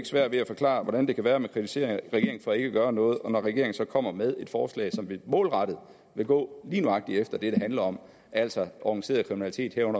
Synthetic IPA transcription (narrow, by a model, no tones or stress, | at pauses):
ɡ̥ə̥sʋæɐ̰d̥ʋe̝æfɒ̽kʰlɑ̰̈ːʋɒɾ̥ænd̥e̝kʰæʋæːɐmekʰʁit͡sʰise̝̰ɐ̰ʁɐɡ̥e̝ɐeŋn̩fɒ̽ːe̝ɡ̥əɡ̥ɶːɐnɔ̽ːð̞̩ˠɒ̽nɒʁɛɡ̥e̝ɐeŋn̩sɒ̽kʰɒ̽m̰ɐmeð̞ˠe̝d̥fɒːslɛ̰ːsɒ̽mʋimɔ̰̽ːlʁɑɾ̥ð̩ˠ | ʋe̝ɡ̥ɔ̰̽ːliːnuɑ̈ɡ̥̚d̥iefd̥ɐd̥e̝ɾ̥e̝ɦænlɐɒ̽m | ʔæl̰sɒʔɒɡ̥ŋnise̝̰ːɐðˠkʰʁiminæli̥t͡sʰe̝̰ːd̥hæɐ̰ɔ̽n̰ɐ